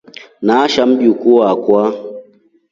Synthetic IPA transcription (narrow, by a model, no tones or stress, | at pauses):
naʃamɗukuwakwa